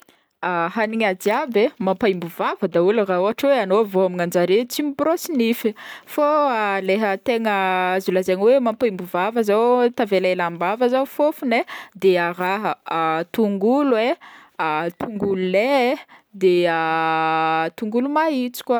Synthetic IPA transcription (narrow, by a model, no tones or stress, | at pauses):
aɦaniɲad̪iabemampaimbuvavəd̪auluraoaʈ͡ʂweanovoamiŋand͡ʒaɾet͡simibɾosinififoaleɦət̪eŋəzulazeɲwemampaimbuvavəzawt̪avelelambavəzawfofuned̪eaɾaɦət̪uŋɡulweat̪uŋɡululed̪ea | t̪uŋɡulumait͡si̥kwa